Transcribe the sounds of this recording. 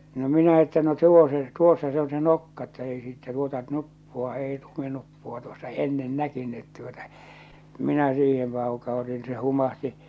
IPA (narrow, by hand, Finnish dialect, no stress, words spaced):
no minæ etːæ no tuo se tuosːɑ se on se nokːɑ etːæ ei siːtːæ tuotɑ nupːuɑ ei luminupːuɑ tuosːɑ enːen nækynːyt tuotɑ minæ siːhem pɑukɑutin n̆ĭ se humɑhti